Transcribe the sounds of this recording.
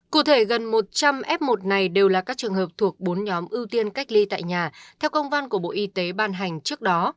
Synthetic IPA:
kṵ˧˩t̪ʰe˧˩ɣə˨˩nmo˨˩t̚t͡ɕa˧mʔɛ˦˥p̚mo˨˩t̚na˨˩jɗe˨˩wlaː˨˩kaː˦˥k̚t͡ɕɨ˨˩əŋɦəː˨˩p̚t̪ʰu˨˩ək̚ɓo˨˦nɲɔ˨˦mʔɨ˧wt̪i˧ənka˦˥jk̟̚li˧t̪a̰ː˧˨jɲaː˨˩t̪ʰɛ˧wkə˧wŋ͡mva˧nku˧˩əɓo̰˧˨ʔi˧˦t̪e˨˦ɓaː˧˩nɦa˨˩jŋ̟t͡ɕɨ˦˥ək̚ɗɔ˨˦

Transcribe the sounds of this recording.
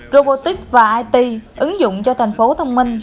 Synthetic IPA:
zo˧ɓo˧t̪i˦˥k̚vaː˨˩ʔaː˧jt̪i˧ʔɨ˨˦ŋzʊ̰˧˨ŋ͡mt͡ɕɔ˧t̪ʰɛ˨˩ŋ̟fo˨˦t̪ʰə˧wŋ͡mmï˧ŋ̟

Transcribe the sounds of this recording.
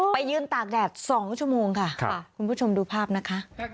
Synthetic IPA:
pa˧jːɯː˧nt̪aː˨˩k̚dɛː˨˩t̪̚sɔː˩˦ŋt͡ɕʰu˥˩ɐmoː˧ŋkʰa˥˩kʰkʰu˧npʰuː˥˩t͡ɕʰo˧mduː˧pʰaː˥˩p̚na˦˥kʰa˦˥ʔ

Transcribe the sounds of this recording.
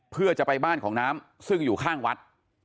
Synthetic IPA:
pʰɯ˥˩ɐt͡ɕa˨˩pa˧jbaː˥˩nkʰɔː˩˦ŋnaː˦˥m | sɯ˥˩ŋjuː˨˩kʰaː˥˩ŋwa˦˥t̪̚

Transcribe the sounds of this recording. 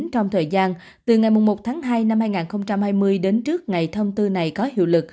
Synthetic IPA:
nt͡ɕɔ˧wŋ͡mt̪ʰəː˨˩jzaː˧n | t̪ɨ˨˩ŋa˨˩jmʊ˨˩ŋ͡mmo˨˩t̚t̪ʰaː˨˦ŋɦaː˧jna˧mhaː˧jŋaː˨˩nxə˧wŋ͡mt͡ɕa˧mhaː˧jmɨ˧əjɗe˨˦nt͡ɕɨ˦˥ək̚ŋa˨˩jt̪ʰə˧wŋ͡mt̪ɨ˧na˨˩jkɔ˨˦ɦḭ˧˨wlɨ˨˩k̚

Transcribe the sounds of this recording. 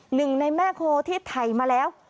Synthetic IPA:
nɨ˨˩ŋna˨˧˩jmaː˧kʰo˧˩t̪ʰi˦˥t̚t̪ʰa˨˩jmaː˨˩lɛ˨˧˦w

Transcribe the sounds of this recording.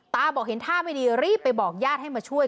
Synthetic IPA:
t̪aː˧bɔː˨˩k̚he˩˦nt̪ʰaː˥˩ma˥˩jdiː˧ɾiː˥˩pːa˧jbɔː˨˩k̚jaː˥˩t̚ha˥˩jmaː˧t͡ɕʰu˥˩əj

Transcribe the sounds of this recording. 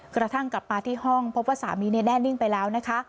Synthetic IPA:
kɾa˧t̪ʰa˥˩ŋkla˨˩p̚maː˧t̪ʰiː˥˩ɦɔ˥˩ŋpʰo˦˥p̚waː˥˩sa̰ː˩˦miː˧ni˦˥˩dɛː˥˩nːi˥˩ŋpa˧jlɛː˦˥wna˦˥kʰa˦˥

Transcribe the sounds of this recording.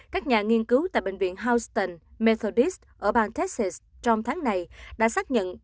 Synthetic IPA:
kaː˦˥k̚ɲaː˨˩ŋi˧nkɨ˨˦wt̪a̰ː˧˨jɓḛ˧˨ŋ̟vḭ˧˨ənɦaː˧wst̪ə˧˩nme˧t̪ʰo˧ɗi˦˥st̚ʔəː˧˩ɓaː˨˩nt̪ɛ˦˥t̚si˨˩s | t͡ɕɔ˧wŋ͡mt̪ʰaː˨˦ŋna˨˩jɗa̰ː˧˥saː˦˥k̚ɲə̰˧˨n

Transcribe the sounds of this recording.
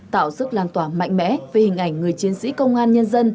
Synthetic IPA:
t̪a̰ː˧˨wsɨ˦˥k̚laː˨˩nt̪waː˧˩ma̰˧˨jŋ̟mɛ̰˧˥ve˨˩hï˨˩ŋ̟ʔa˨˧˩jŋ̟ŋɨ˨˩əjt͡ɕi˨˦ənsḭ˧˥kə˧wŋ͡mʔaː˧nɲə˧nzə˧n

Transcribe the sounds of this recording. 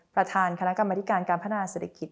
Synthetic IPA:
pɾa˧t̪ʰaː˧nkʰa˧na˦˥ka˧ma˧t̪ʰi˦˥kaː˧nkaː˧npʰa˦˥aː˧seː˨˩t̪ʰa˧ki˨˩

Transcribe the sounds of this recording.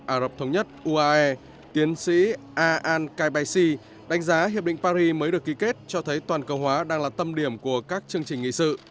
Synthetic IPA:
ʔaː˧˩zə˨˩p̚t̪ʰə˨˦wŋ͡mɲə˦˥t̚ʔu˧ʔaː˧ʔɛ˧ | t̪i˨˦ənsḭ˧˥ | ʔaː˧ʔaː˧nkaː˧jɓa˧jsi˧ | ɗa˨˦ŋ̟zaː˨˦ɦi˨˩əp̚ɗḭ˧˨ŋ̟paː˧ɾi˧məː˨˦jɗɨ˨˩əki˨˦ke˦˥t̚t͡ɕɔ˧t̪ʰə˨˦jt̪waː˨˩nkə˧˩whwaː˨˦ɗaː˧ŋlaː˨˩t̪ə˧mɗi˧˩əmku˧˩əkaː˦˥k̚t͡ɕɨ˧əŋt͡ɕï˨˩ŋ̟ŋḭ˧˨sɨ̰˧˨

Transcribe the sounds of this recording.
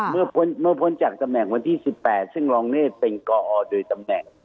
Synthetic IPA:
mɯ˥˩ɐpʰo˧˦˥nmɯ˥˩ɐpʰo˦˥nt͡ɕa˨˩k̚t̪a˧mnɛ˨˩ŋwa˧nt̪ʰiː˥˩si˨˩pːɛː˨˩t̪̚sɯ˥˩ŋlɔː˧ŋneː˥˩t̪̚pe˧nkɔː˧ʔɔː˧doː˧jt̪a˧mnɛ˨˩ŋ

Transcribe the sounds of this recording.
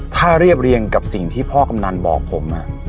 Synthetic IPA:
t̪ʰaː˥˩ɾi˥˩əp̚ɾi˧ənka˨˩p̚si˨˩ŋt̪ʰiː˥˩pʰɔː˥˩ka˧mna˧nbɔ̰ː˨˩k̚pʰo˩˦mʔa˨˩ʔ

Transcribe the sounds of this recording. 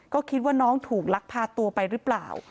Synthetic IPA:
kɔː˥˩kʰi˦˥t̪̚waː˥˩nɔː˦˥ŋt̪ʰuː˨˩k̚la˦˥k̚pʰaː˧t̪u˧ɐpa˧jɾɯ˦˥pla̰ː˨˩w

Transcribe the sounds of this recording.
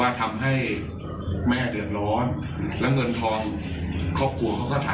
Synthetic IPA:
aː˥˩t̪ʰa˧mɦa˥˩j | mɛː˥˩dɯ˨˩ət̪̚ɾɔː˦˥n | lɛ˦˥wŋɤ˧nt̪ʰɔː˧ŋ | kʰɔː˥˩p̚kʰu˧ɐkʰa˦˥wkɔː˥˩t̪ʰaː˨˦

